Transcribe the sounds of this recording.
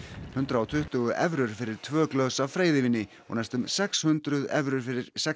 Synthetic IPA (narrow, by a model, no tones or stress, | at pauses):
hʏnt̪ɾaɔt̪ʰʏht̪ʏɣʏʔɛvɾʏɾ̥fɪɾɪɾ̥t̪ʰvœːklœsavfɾeːjðɪvɪnːɪ | ɔ̰ɣnajst̪ʏmsɛkshʏnt̪ɾʏðɛvɾʏɾ̥fɪɾɪɾ̥sɛ